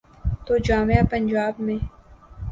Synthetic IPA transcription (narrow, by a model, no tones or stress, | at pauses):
t̪oːd͡ʒaːmejapənd͡ʒaːbmẽː